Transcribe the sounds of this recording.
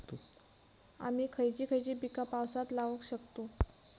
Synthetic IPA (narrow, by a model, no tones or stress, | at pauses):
t̪o | a̰miːkʰəjt͡ɕiːkʰəjt͡ɕiːbikapawsat̪laʋəkɕəkt̪o